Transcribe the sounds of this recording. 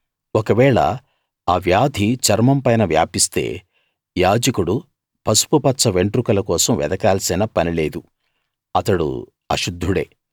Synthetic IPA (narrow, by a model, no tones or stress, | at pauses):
okɐʋɛːɭɐ̰ | aːʋjaːd̪ʱit͡ʃɐɾmɐmpɐjnɐʋja̰ːpist̪e̞̰ː | jaːd͡ʒɐkuɽu | pɐsu̥pupɐtːsɐʋe̞ɳʈɾukɐlɐkɔːsɐmʋɛ̰d̪ɐkaːlɐsinɐpɐnile̞ːd̪u | ɐt̪ɐɽṵ | ɐ̰ʃud̪ʱːuɽe̞̰ː